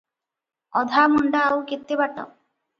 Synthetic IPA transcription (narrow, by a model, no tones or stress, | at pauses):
ɔd̪ʱamɔɳɖaːwket̪ːebaʈɔ̰